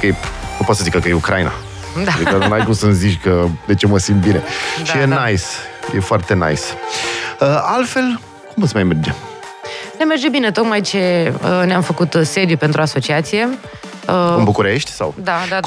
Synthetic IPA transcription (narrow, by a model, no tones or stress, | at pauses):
keenupot̪səzikakəjeukɾaina̰ | d̪ad̪id̪anajkusənzit͡ʃkəd̪e̞t͡ʃe̞məsimt̪̚bine̞ʃijenajsjefoart̪e̞na̰js | əalfe̞l | kumpot̪səmajmerd͡ʒem | nemerd͡ʒebine̞t̪o̞kmajt͡ʃe̞əneamfəkut̪se̞d̪jupe̞nt̪ɾuoaso̞t͡ʃiat̪sije̞ | əunbukuɾe̞ʃt̪ʲsa̰wd̪ad̪a